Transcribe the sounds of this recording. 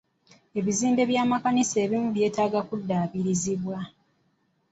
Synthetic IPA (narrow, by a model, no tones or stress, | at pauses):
e̞βiziːnde̞βjaːmakaniseːβimuβje̞ːtaːɡakudːaːβiɾiziβwa